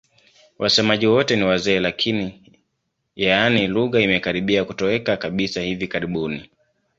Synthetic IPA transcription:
wʔasɛmaʄiwɔtɛniwazɛːlakʰini | jaaniluɣaimɛkaɾiɓiakutɔɛkakaɓisahivikaɾiɓuni

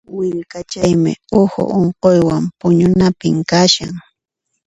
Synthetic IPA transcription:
wɪʎkat͡ʃajmɪ̰ohʊ̰ʔoɴqojwampʊɲʊnapɪŋkaʃa̰ŋ

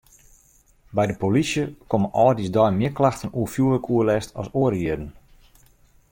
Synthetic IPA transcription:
bɛjdəpolisjəkomənɔlˠdisdɔjmɪəklaxtənuəfjuələkuəlɛstʰɔ̰soəɾiədən̩

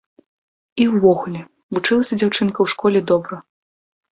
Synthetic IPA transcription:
iwːɔɣulʲɛ | vut͡ʂɨlˠɐsʲɐd͡zʲawt͡ʂɨnkɐwʂkɔlʲɛd̪ɔbɾɐ

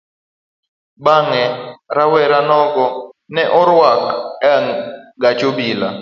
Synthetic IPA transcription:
ɓaŋɛɾawɛɾanɔɡɔnɛʔɔɾwakɛŋɡat͡ʃobila

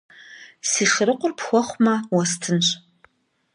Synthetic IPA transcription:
siːʂɪɾɨqʷʼʊrpʰxʷɔχʷmawɐstʰɨnɕʷʼ

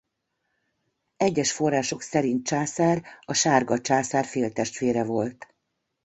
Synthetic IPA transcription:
ɛɟːɛʃfo̞rːaːʃo̞ksɛɾint̪̚t͡ʃaːsaːrɒʃaːrɡɒt͡ʃaːsaːrfeːlt̪ɛʃt̪ʋeːɾɛvo̞lt̪

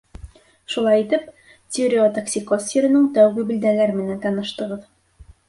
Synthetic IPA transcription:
ʃulˠɑjit̪ɘp | t̪ʲoɾʲiot̪aksʲikosiɾɘ̆nɘɴt̪æwɡɘbĭld̪ælæɾmɘ̆nænt̪ɑnɤ̆ʃt̪ɤ̆ʁɤð

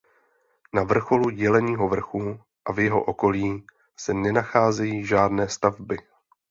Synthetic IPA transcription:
navr̩xo̞luɟɛlɛɲiːɦo̞vr̩xu | ʔavjɛɦo̞̰ʔo̞ko̞liː | sɛnɛnaxaːzɛjiːʒaːdnɛːst̪avbɪ

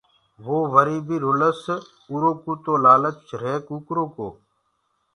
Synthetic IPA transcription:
ʋoːʋəɾiːbiːɾʊləs | uːɾoːkuːt̪oːlaːlət̪t͡ʃʰɾeːkuːkɾoːkoː

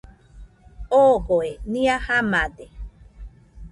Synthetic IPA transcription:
oɣoeniahamad̪e

